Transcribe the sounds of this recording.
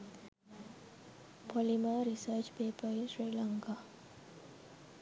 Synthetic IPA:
polimaɾisəɾt͡ʃpeːpəisɾiːlaŋka

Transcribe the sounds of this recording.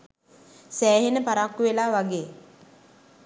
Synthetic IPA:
sæːɦenəpaɾakːuʋelaːʋaɡeː

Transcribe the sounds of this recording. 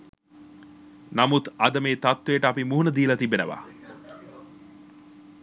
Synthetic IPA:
namut̪ɐd̪əmeːt̪at̪ʋejəʈəapimuɦunəd̪iːlɐt̪ibenəʋa̰

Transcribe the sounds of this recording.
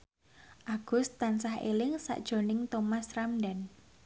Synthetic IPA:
ʔaɡ̥ʊ̤st̪ːansahḛlɪŋsa̰ʔd̥ʒ̥o̤nɪŋt̪omasramdan

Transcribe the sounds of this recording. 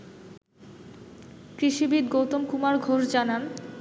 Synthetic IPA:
kɾiʃibid̪ɡowt̪omkumaɾɡʱoʃd͡ʑanan

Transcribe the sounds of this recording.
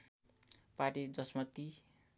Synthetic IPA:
paʈid͡zʌsmʌt̪ːi

